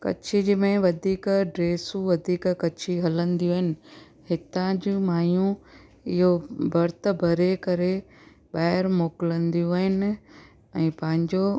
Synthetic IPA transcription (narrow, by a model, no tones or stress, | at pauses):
kɐ̰t͡ɕʰid͡ʑmẽʋɐd̪ʱiːkɖɾeːsũʋɐd̪ʱiːkkɐt͡ɕʰiɦɐlə̃nd̪ijũːɦɪnɪ̆ | hɪt̪ãd͡ʑuːmaːjũ | ɪɦobɐɾt̪̆bʱɐɾekɐɾe | ɓaːɦɪɾmoːkɪlə̃nd̪ijũaːɦɪnɪ̆ | ɛ̃ːpɐ̃ɦɪ̃ɲd͡ʑo